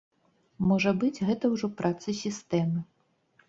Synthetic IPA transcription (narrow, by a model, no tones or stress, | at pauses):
mɔʐɐbɨd͡zʲɣɛt̪ɐwʐɔpɾʔat̪sɨsʲist̪ɛmɨ